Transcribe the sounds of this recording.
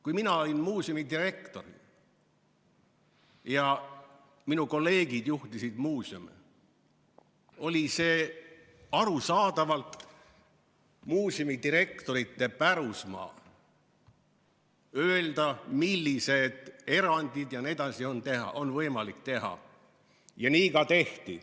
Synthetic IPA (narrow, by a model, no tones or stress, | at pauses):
kujminɑo̞lʲinmuːsjomid̪ire̞kt̪o̞ri | jɑ | minuko̞lːe̞ːɡ̥id̪juht̪isid̪̥muːsiome | o̞lʲise̞ː | ɑɾusɑːd̪̥ɑvɑlt̪ | muːsomit̪iɾe̞k̚t̪o̞ɾit̪ːe̞pæɾusmɑ̰ː | øeld̪̥ɑmilːise̞d̪̥e̞ɾɑnʲd̪̥id̪jɑned̪ɑsio̞nt̪e̞ɦɑ̰ʔo̞nvɤjmɑlikt̪e̞ɦɑ̰ | jɑniːkɑt̪e̞ht̪i